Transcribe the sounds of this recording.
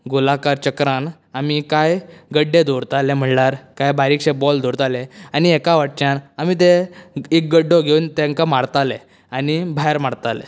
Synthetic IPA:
ɡulakaɾt͡ɕəkɾan | amikajɡəɖːed̪ʱoɾt̪alem̤əɳlaɾkajbaɾiːkɕebɔld̪oɾt̪aleaniɛkaʋaʈ̚t͡ɕanamit̪̬eek̚ɡəɖːoɡeunt̪ẽŋkamaɽt̪ale | anibʱaɦeɾmaɽt̪alḛ

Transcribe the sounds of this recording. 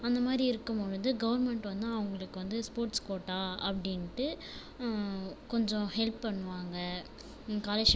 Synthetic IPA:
ɐnd̪ɐmaːd̪ɾiɪɾɯkːɯmɔɻɯnd̪ɯɡɐʋɐɾmɛɳʈʋɐnd̪naɐʋʊŋɡɐɭɯkːɯʋɐnd̪ɯspoːɾʈskoːʈːaːɐpːɐɽɪnːʈːɯ | kɔɲd͡ʒɔ̃hɛlppɐɳːɯʋaːŋɡɐ | kaːlɐʃ

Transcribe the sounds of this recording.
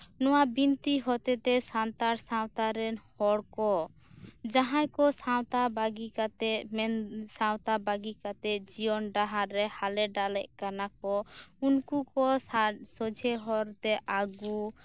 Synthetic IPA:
nɔwabint̪iɦɔt̪ɛt̪ɛsant̪aɾsãwt̪aɾɛnhɔɽkɔ | d͡ʒaɦãjkɔsawt̪abaɡikat̪ɛmɛnsãwt̪abaɡikat̪ɛd͡ʒijɔnɖaɦaɾːɛhalɛɖalɛʔkanakɔunkukɔsasɔd͡ʒʱɛɦɔɾt̪ɛʔaɡu

